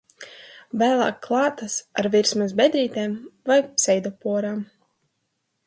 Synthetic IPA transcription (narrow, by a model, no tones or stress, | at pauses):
væːlˠa̰ːkːlˠɑːt̪asa̰ɾviɾsmas̬bʲɛd̪ɾiːt̪ɛːmvajpsɛjd̪ɔpuɔɾaːm